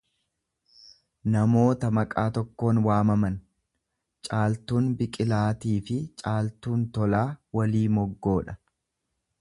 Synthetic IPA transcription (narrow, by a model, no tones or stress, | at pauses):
nɐmo̞ːt̪ɐmɐkʼaːt̪ɔkːo̞ːnwaːmɐmɐn | t͡ʃʼaːlt̪uːnbɪkʼɪlaːt̪iːfɪt͡ʃʼaːlt̪uːnt̪ɔlaːwɐliːmɔɡːo̞ːᶑɐ